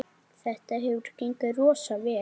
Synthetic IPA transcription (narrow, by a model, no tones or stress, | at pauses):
θɛht̪aɦɛvʏɾ̥kiŋkarɔːsavɛː